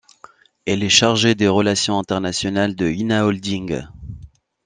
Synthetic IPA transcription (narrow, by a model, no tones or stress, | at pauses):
ɛlɛʃaʁʒed̪eʁəlasjɔ̃ɛ̃t̪ɛʁnasjɔnald̪əinaɔld̪ĩŋɡ